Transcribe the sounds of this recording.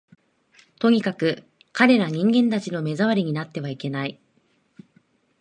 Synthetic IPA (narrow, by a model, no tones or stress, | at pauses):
t̪o̞ɲ̟ikakɯ̟ | kaɾe̞ɾaɲ̟ĩŋɡẽ̞nt̪at͡ɕino̞me̞zaβaɾʲiɲ̟inat̪ːe̞β̞aike̞nai